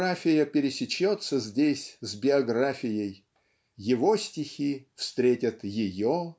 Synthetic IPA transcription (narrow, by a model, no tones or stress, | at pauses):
afʲɪjəpʲɪɾʲɪsʲɪt͡ɕːot̪səzʲdʲesʲzʲbʲɪɐɡɾafʲɪjəj | jɪvo̞sʲtʲɪxʲifst̪ɾʲetʲət̪jɪjo